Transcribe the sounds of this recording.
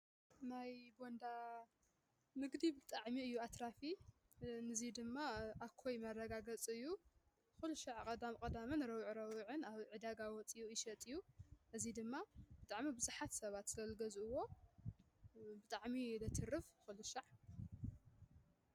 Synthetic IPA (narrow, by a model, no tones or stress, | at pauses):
najbond̪a | nɨɡd̪ibɨt̪ʼaʕmiɨjːuat̪ʰɾafi | nɨzid̪ɨmːaakʰojmɐrːɐɡaɡɐt͡sʼɨjːu | xɨluʃaʕkʼɐd̪amkʼɐd̪amɨnɾɐwʕɾɐwʕɨnaβʕɨd̪aɡawɔt͡sʼijuɪʃɐt̪ʼɨjːuʔɨzid̪ɨmːab̥ɨt̪ʼaʕmibɨzɨħat̪sɐβat̪zɨlɐlɡɐzuɨwo̞ | bɨt̪ʼaʕmilɐt̪ʰɨrːɨfxɨluʃaʕ